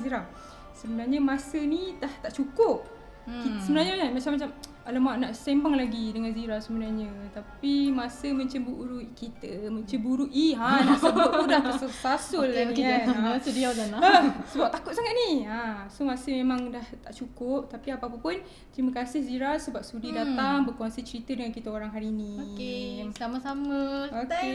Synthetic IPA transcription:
ziɾa | səbənarɲəmasənit̪aht̪aʔt͡ʃukʊp̚ | kissəbənarɲaɲamat͡ʃamːat͡ʃam | alamaʔnaʔsembaŋlaɡidəŋanziɾasəbənarɲət̪apimãsəmə̃ɲt͡ʃambuʔuɾukit̪əmə̃ɲt͡ʃəbuɾuʔiɦanaʔsəbapuɾant̪asəsasʊlianasədiawd͡ʒanaəsəbap̚t̪akʊt̪̚saŋat̪̚niasomasəmemãŋdaht̪aʔt͡ʃukʊp̚t̪apiapaapəpʊn | t̪ɾiməkasɪhziɾasəbap̚sudidat̪aŋbəkuasət͡ʃəɾit̪ədəŋankit̪əoɾaŋɦaɾiniesamasaməoke

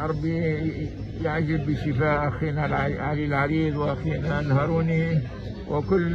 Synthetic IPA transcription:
ʔɑɾˤbi | jaʕʒɪlːɪʃɪfaːʔʔaxiːnalʕalilʕaɾiːðwʔaxiːnalhɑːɾˤuːni | wɪkʊlː

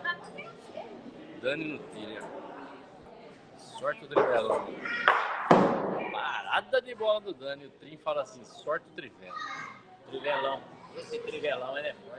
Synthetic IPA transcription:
d̪ɐ̃nɪnʊt̪iɾɐ | sɔɾt͡ʃɪʊt̪ɾivɛlɐ̃ | paɾa̰d̪ɐd̪ɪbɔlɐd̪ʊd̪ɐ̃nɪʊt̪ɾĩfalɐasĩsɔɾt͡ʃɪʊt̪ɾivɛlɐ | t̪ɾivelɐ̃w̃esɪt̪ɾivelɐ̃w̃ɛlɛfɔ

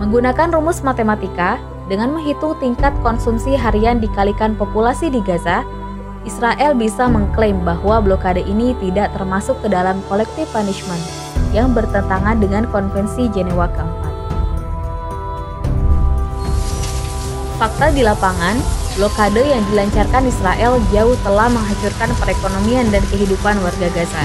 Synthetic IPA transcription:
məŋɡunakanrumʊsmat̪emat̪ika | dəŋanməŋɦit̪ʊŋt̪iŋkat̪̚kɔnsumsiɦaɾiandikalikanpopulasidiɡaza | ʔisɾaʔɛlbisaməŋklembaɦwablokadəʔinit̪idaʔt̪ərmasʊkːədalamkɔlɛk̚t̪ɪfpaniʃmənt̪ | jaŋbərt̪ənt̪aŋandəŋankɔnfɛnsid͡ʒɛnewakaŋa | fak̚t̪adilapaŋanblokadojaŋdilaɲt͡ʃarkanisɾaʔɛld͡ʒauht̪əlahməŋɦad͡ʒt͡ʃurkanpəɾekonomiandankəɦidupanwarɡaɡaza

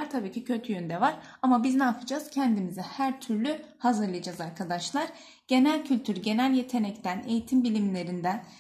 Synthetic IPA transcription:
aɾt̪ʰabiːcʰicʰøt̪ʰyjønd̪ɛvaɾamabiznaːpʰɯd͡ʒaz̥cʰɛnd̪imizɛhæɾt̪ʰyɾlʲyhazɯɾlˠɯjad͡ʒazaɾkʰad̪aʃlˠaɾ̥ | ɟ̥e̞nælʲcʰylʲt̪ʰyɾɟe̞nælʲje̞t̪ʰe̞nɛct̪ʰæne̞jit̪ʰimbilʲimlʲe̞ɾind̪æn

